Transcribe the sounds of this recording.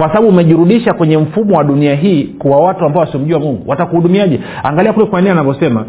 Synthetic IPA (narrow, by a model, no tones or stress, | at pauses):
kwasaɓaɓumɛʄiɾuɗiʃakwɛɲɛm̩fumɔwaɗuniaɦiːkuwawatuambaɔasiɔm̩ʄuamuŋɡuwatakuhuɗumiaʄɛ | a̰ŋɡaliakulɛkwanianavjɔsɛma̰